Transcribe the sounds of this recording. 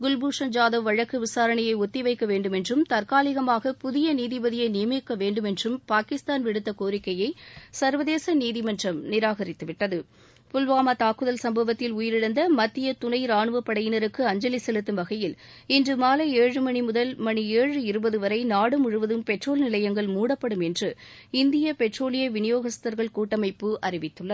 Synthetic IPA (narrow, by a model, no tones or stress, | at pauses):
ɡʊlbuːʂɐnd͡ʒaːðɐʋʋɐɻɐkːɯʋɪsaːɾɐɳɐjɐɪɔt̪ːɪʋɐɪkːɐʋeːɳɖɯmɛndrɯmt̪ɐrkaːlɪɣɐmaːɣɐpʊðɪjɐniːðɪʋɐðɪjɐɪnɪjɐmekːɐʋeːɳɖɯmɛndrɯmpaːkɪst̪aːnʋɪɽɯt̪ːɐkoːɾɪkːɐjɐɪsɐɾʋɐðeːsɐniːðɪmɐnrɐmnɪɾaːɣɐɾɪt̪ːɯʋɪʈːɐðɯ | pʊlʋaːmɐt̪aːkːɯðɐlsɐmbɐʋɐt̪ːɪlʊjɪɾɪɽɐnd̪ɐmɐt̪ːɪjɐt̪ʊɳɐɪɾaːɳɯʋɐpːɐɽɐjɪnɐɾɯkːɯɐɲd͡ʒɐlɪsɛlɯt̪ːɯmʋɐɣɐjɪl | ɪndrɯmaːlɐeːɻɯmɐɳimʊðɐlmɐɳieːɻɯɪɾɯbɐðɯʋɐɾɐɪnaːɽɯmʊɻɯʋɐðɯmpɛʈroːlnɪlɐjɐŋɡɐɭmuːɽɐpːɐɽɯmɛndrɯ | ɪnd̪ɪjɐpɛʈroːlɪjɐʋɪnɪjoːɣɐst̪ɐɾɣɐɭkuːʈːɐmɐɪpːɯʔɐrɪʋɪt̪ːɯɭːɐ